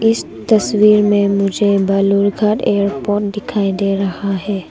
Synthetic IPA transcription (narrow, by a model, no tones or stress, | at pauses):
ɪs | t̪ɐswiːɾmẽmʊd͡ʒʱebɐluɾɡʱaːʈeːəɾpoːʈ̚d̪ɪkʰaːid̪eːɾɐhaɦɛː